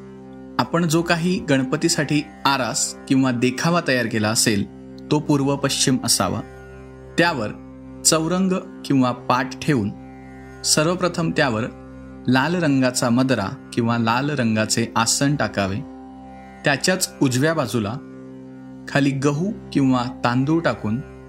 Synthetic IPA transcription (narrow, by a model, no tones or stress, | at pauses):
apəɳd͡zokaɦiːɡəɳ̃pət̪iːsaʈʰiː | aɾaskĩw̃ʋad̪ekʰaʋat̪əjaɾkelaəsel | t̪opuɾʋəpəɕt͡ɕiməsa̰ʋa̰ | t̪jaʋəɾ | t͡səwɾəŋɡ | kĩw̃ʋapaʈʈʰeuːn | səɾʋəpɾət̪ʰəmt̪jaʋəɾ | lalɾəŋɡat͡saməd̪ɾa̰kĩw̃ʋalalɾəŋɡat͡seʔasəɳʈakaʋe | t̪jat͡ɕjat͡sud͡zʋjabad͡zula | kʰaliːɡəɦukĩw̃ʋat̪ãnd̪uʈakuːn